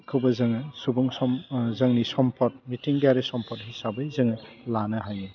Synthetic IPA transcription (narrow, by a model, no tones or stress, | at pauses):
kʰɯwbɐzɐŋɯsubuŋsɔmzɐŋnisɔmpʰɔt̚mitiŋdijaɾesɔmpʰɔt̚ɦisabɯjzɯŋɯlanɯɦajɯ